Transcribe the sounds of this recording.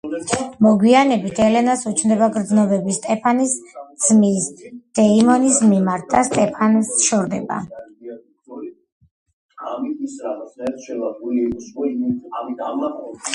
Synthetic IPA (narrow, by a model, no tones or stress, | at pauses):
mɔɡwianɛbit̪ʰɛlɛnasut͡ʃʰmd̪ɛbaɡɾd̪znɔbɛbist̪ʼɛpʰanisd̪z̥misd̪̥ɛimɔnismimaɾt̪̚ʰd̪ast̪ʼɛpʰansʃɔɾd̪ɛba̰